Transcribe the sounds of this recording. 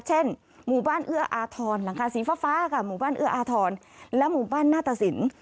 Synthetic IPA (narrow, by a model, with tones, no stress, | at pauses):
t͡ɕʰe˥˩n | muː˨˩baː˥˩nʔɯ˥˩ɐʔaː˧t̪ʰɔː˧nla˨˩˦ŋkʰaː˧siː˨˩˦faː˧˥faː˦˥ka˧˩muː˨˩baː˥˩˨nʔɯ˥˩ɐʔaː˧t̪ʰɔː˧n | lɛ˦˥muː˨˩baː˥˩˨nːaː˥˩t̪a˧si˩˦n